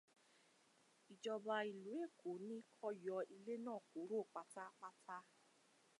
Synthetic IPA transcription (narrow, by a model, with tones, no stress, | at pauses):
i˨d͡ʒɔ˧ba˧i˨lu˨˦e˦˨kʰo˨˦nĩ˦kʰɔ˦jɔ˧˦i˧le˦nãː˦˨ko˨˦ɾo˦˨k͡pa˨ta˦k͡pa˦tʰa˦